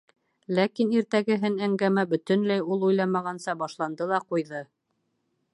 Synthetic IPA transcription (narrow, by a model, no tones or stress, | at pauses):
lækiniɾt̪æɡɘ̆ɦɘnæŋɡæmæbɵ̆t̪ɵ̆nlæjulˠujlˠɑmɑʁɑnsɑbɑʃlˠɑnd̪ɤlˠɑqujðɤ